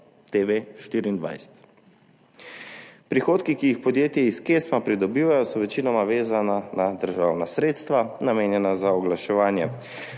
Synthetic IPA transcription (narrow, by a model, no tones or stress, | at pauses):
t̪eʋeʃt̪iːɾiːnd̪ʋa̰jsɛ̥t̪ | pɾixoːt̪kikijixpɔd̪jeːt̪jɛiskeːsmapɾid̪ɔbiːʋajɔsɔʋɛt͡ʃiːnɔmaʋeːzananad̪əɾʒaːwnasɾeːt̪st̪ʋanameːnjɛnazaɔɡlaʃɛʋaːnjɛ